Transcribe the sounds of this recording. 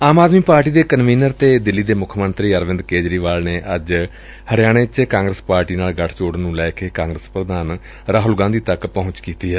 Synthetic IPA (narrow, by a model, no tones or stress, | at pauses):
aːmaːd̪miːpaːɾʈiːd̪eːkənʋiːnəɾt̪eːd̪ɪlːiːd̪eːmʊkʰmənt̪ɾiːəɾʋɪnd̪keːd͡ʒɾiːʋaːlneːʔəd͡ʒ | həɾɪjaːɽ̃eːt͡ʃkãːŋɡɾəspaːɾʈiːnaːlɡəʈʰt͡ʃoːɽnũːlɛːkeːkãːŋɡɾəspɾəd̪aːn | ɾaːɦʊlɡãːnd̪iːt̪əkpɔɦʊ̃ɲt͡ʃkiːt̪iːɦɛː